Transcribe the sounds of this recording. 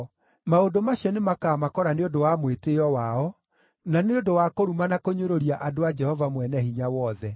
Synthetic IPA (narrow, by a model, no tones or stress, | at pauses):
maodomaɕiɔnemakaːmakɔɾaneodowamweteɔwaɔ | naneodowakoɾumanakoɲoɾoɾiaʔadoad͡ʒɛhɔvamwɛnɛhiɲawɔðɛ